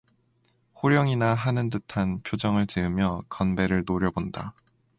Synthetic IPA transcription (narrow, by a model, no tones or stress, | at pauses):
hoɾjʌŋinaɦanɯndɯtʰanpʰjod͡ʑʌŋɯɭt͡ɕeɯmjʌkʌnbe̞ɾɯɭnoɾjʌbonda